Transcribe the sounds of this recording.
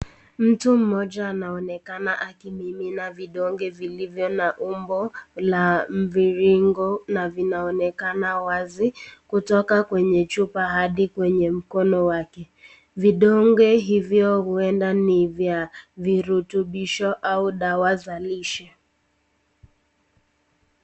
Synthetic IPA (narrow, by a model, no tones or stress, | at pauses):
m̩tum̩mɔʄaːnaɔnɛkanaʔakimiminaviɗɔŋɡɛvilivjɔnaʔumbɔlam̩viɾiŋɡɔnavinaɔnɛkanawazikutɔkakwɛɲɛt͡ʃupahaɗikwɛɲɛm̩kɔnɔwakɛ | viɗɔŋɡɛɦivjɔhuɛndanivjaviɾutuɓiʃɔʔauɗawazaliʃɛ